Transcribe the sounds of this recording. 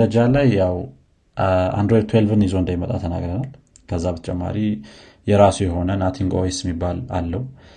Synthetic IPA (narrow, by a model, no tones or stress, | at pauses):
əd͡ʒalajːaw | a̰nd̪ɾojt̪ʰwelvɨnizoɨnd̪ajmət̪ʼat̪ʰəna̰ɡɾənal | kʰəzːabət̪ʰət͡ʃʼɛmːa̰ɾi | jɛɾasujɛɦo̞nənat̪ʰiŋɡo̰jesjɛmːibːala̰lːəhu